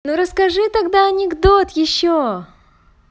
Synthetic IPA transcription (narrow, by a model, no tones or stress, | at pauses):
nuɾəskɐʐɨt̪ɐɡd̪aɐnʲɪɡd̪ot̪jɪɕːo